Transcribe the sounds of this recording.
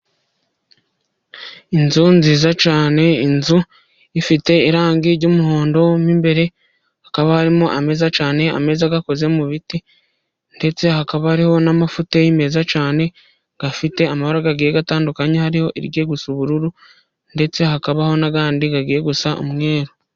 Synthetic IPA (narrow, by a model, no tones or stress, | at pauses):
inzunziːzat͡ʃaːne̞inzu | ifite̞iɾaːŋɡiɾɟomuhoːndo̞miːmbe̞ɾe̞ | hakaβahaɾimuʔame̞ːzat͡ʃaːne̞a̰me̞ːzaɡako̞ze̞muβiti | nde̞t͡se̞hakaβahaɾiho̞namafutejime̞ːzat͡ʃaːne̞ | ɡ̥afite̞amahoɾaɡaɡiːje̞ɡataːndukaɲehaɾiho̞ʔḭɾɟe̞ːɡusuβuɾuɾu | nde̞t͡se̞hakaβaho̞naɡaːndiɡaɡiːɾe̞ɡusao̰mŋe̞ːɾo